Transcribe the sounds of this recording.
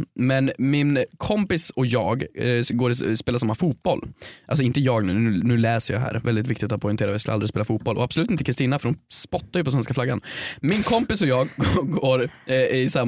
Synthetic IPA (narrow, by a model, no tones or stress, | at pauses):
mɛnmɪnkʰɔmpɪsɔjɑːɡɡoːɾɪspeːlasamːafuːt̪̚b̥ɔlʔals̬ɔɪnt̪əjɑːɡnʉ̟ːnʉːnʉ̟ːlɛːsəjɑ̰ɦæ̰ːɾvɛld̪ɪt̪vɪkt̪ɪk̚t̪at̪̚pʰɔʏnʰeːɾaɔvjɑsklʔa̰lɾɪspeːlafuːt̪̚bɔlʔɔ̰absɔlʉ̟t̪ɪnt̪əkɾɪst̪iːnafœɾɖɔmspɔt̪ːaɾjʏɵpɔs̬vɛnskaflaɡːa̰nmɪnkʰɔmpɪsɔjɑːɡɡoːɾɪsa